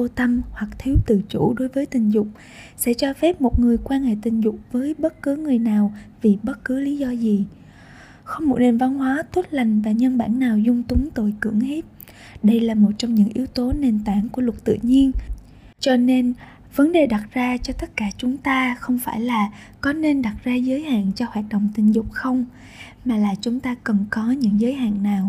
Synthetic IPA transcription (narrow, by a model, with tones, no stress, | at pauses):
o˧t̪ə˧mhwa˨˩k̚t̪ʰi˨˦wt̪ɨ˧˨˩t͡ɕṵ˧˩ɗo˨˦jvəː˨˦jt̪ï˨˩ŋ̟zʊ˨˩k͡p̚ | sɛ̰˧˥t͡ɕɔ˧fɛ˦˥p̚mo˨˩t̚ŋɨ˨˩əjkwaː˧nhḛ˧˨t̪ï˨˩ŋ̟zʊ˨˩k͡p̚vəː˨˦jɓə˦˥t̚kɨ˨˦ŋɨ˨˩əjnaː˨˩wvi˨˩ɓə˦˥t̚kɨ˨˦li˨˦zɔ˧zi˨˩ | xə˧wŋ͡mmo˨˩t̚ne˨˩nva˧nɦwaː˨˦t̪ʰwə˦˥t̚la˨˩jŋ̟vaː˨˩ɲə˧nɓa̰ː˧˩nːaː˨˩wzʊ˧ŋ͡mt̪ʊ˨˦ŋ͡mt̪o˧˩jkɨ̰˧˩əŋhe˦˥t̚ | ɗə˧jlaː˨˩mo˨˩t̚t͡ɕɔ˧wŋ͡mɲɨ̰˧˥ŋʔi˨˦wt̪o˨˦ne˨˩nt̪aː˧˩nku˧˩əlwt̚t̪ɨ̰˧˨ɲi˧ən | t͡ɕɔ˧ne˧n | və˨˦nɗe˨˩ɗa˨˩t̚zaː˧t͡ɕɔ˧t̪ə˦˥t̚kaː˧˩t͡ɕʊ˨˦ŋ͡mt̪aː˧xə˧wŋ͡mfaː˧˩jlaː˨˩ | kɔ˨˦ne˧nɗa˨˩t̚zaː˧zəː˨˦jha̰ː˧˨nt͡ɕɔ˧hwaː˨˩t̚ɗo̰˧˨wŋ͡mt̪ï˨˩ŋ̟zʊ˨˩k͡p̚xə˧wŋ͡m | maː˨˩laː˨˩t͡ɕʊ˨˦ŋ͡mt̪aː˧kə˨˩nkɔ˨˦ɲɨ̰˧˥ŋzəː˨˦jɦa̰ː˧˨nːaː˨˩w